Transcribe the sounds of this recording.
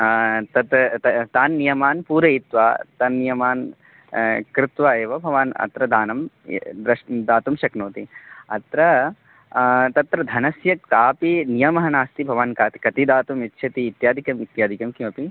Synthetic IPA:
t̪ɐt̪t̪t̪aːnːijɐmaːnpuːɾɐit̪ʋaːt̪ɐnːijɐmaːn | kɾɪt̪ʋaːeːʋɐbʱɐʋaːnɐ̰t̪ɾɐd̪aːnɐm̰ | d̪ɾɐʂd̪aːt̪umʃɐknoːt̪iɐt̪ɾɐ | t̪ɐt̪ɾɐd̪ʱɐnɐsjɐk̚t̪aːpinijɐmɐɦɐnaːst̪ibʱɐʋankaːt̪i̥kɐt̪id̪aːt̪umit̪ːʃʰɐt̪iːt̪jaːd̪ʱikɐmit̪jaːd̪ʱikɐmkimɐpi

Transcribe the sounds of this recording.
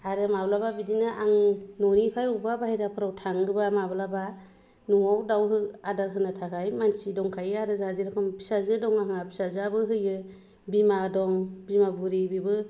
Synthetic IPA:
aɾɯmablababidinɯʔaŋnɔnipʰajubabahiɾapʰɯɾawtʰaŋɡɯbamablaba | nuŋawdawɦɯadaɾɦɯnatʰakʰajmansidɔŋkʰajɯaɾɯzaziɾakʰampʰi̥sazɯdɔŋaɦŋapʰi̥sazabɯɦɯjɯ | bimadɔŋbimabuɾibibɯ

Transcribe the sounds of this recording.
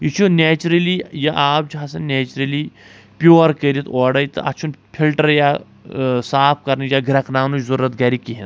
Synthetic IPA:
it͡ʃʰuneːt͡ʃɾɐlijɐʔaːpd͡ʒɦasɐnneːt͡ʃɾɐli | pʲjoːɾkəɾʲit̪ɔːɽɐjt̪ɨ̰ɐ̰t͡ʃʰunpʰilʈɐɾjaː | saːpʰkɐɾnɨd͡ʒaːɡɾɐknaːnut͡ʃzɐɾuɾɐt̪ɡaːɾikiɦɐn

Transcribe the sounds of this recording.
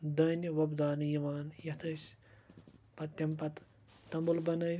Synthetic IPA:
d̪ɐːnjɐʋɐbd̪aːnjiʋaːnjɐt̪ʰɐʃ | pɐt̪ːɐmpɐt̪ | t̪ɐmbulbɐnɐː

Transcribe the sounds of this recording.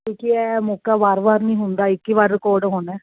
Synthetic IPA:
ʈiːkiɛːmokaːʋaːɾʋaːɾnĩːɦʊnd̪aːɪkːiʋaːɾɪkoːɾɖɦoːnɛ̃ː

